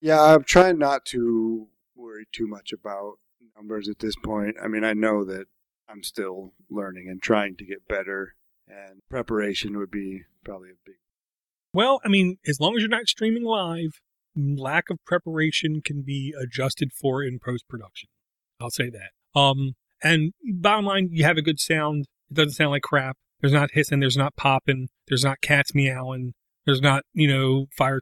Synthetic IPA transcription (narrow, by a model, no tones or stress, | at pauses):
jæaɪvtʰɹ̥aɪ̃ŋnətʰə | wɜ˞itʰʉmʌt͡ʃɨbaʊt̚ | nʌ̃mbə˞zɨt̪̚ðɪspʰɔ̃ɪ̃nta̰ɪmĩnaɪnoʊðɨɾ | ãɪ̃mstɪlˠ | lɜ̃˞nɪ̃ŋɨ̃ntʰɹ̥aɪɪ̃ŋtɨɡɛt̚b̥ɛɾə˞ | ɨ̃npʰɹ̥ɛpə˞eɪʃɨ̃nwəd̚bipʰɹ̥ɑbəbliəbɪɡ̚w | wɛlˠaɪmĩnɨzlɔ̃ŋɨzjə˞nɨtstɹ̥ĩmɪ̃ŋlaɪv̥ | lækʌv̥pʰɹ̥ɛpə˞eɪʃɨ̃nkʰɨ̃n̩biɨd͡ʒʌstɨd̥fə˞ɪ̃npʰɹ̥oʊspʰɹ̥ɨdʌkʃn̩ | aɪlˠseɪðæt̚ | ʌ̃m | ɨ̃nbɑɾə̃mlãɪ̃njɨːvɨɡʊd̥sãʊ̃nd | ɪt̚d̥ʌzn̩tsãʊ̃ndlaɪkʰɹ̥æp̚ðə˞znət̚hɪtsɨ̃nðə˞znət̚pʰɑpɨ̃nðə˞znət̚kʰætsmiaʊə̃n | ðə˞znət̚jɨnoʊfaɪə˞